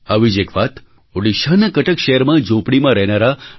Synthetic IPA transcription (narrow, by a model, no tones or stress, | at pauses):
aʋid͡ʒekʋat̪ | oɽiʃanakəʈəkʃejəɾmãd͡ʒõpɽimãɾəɦnaɾa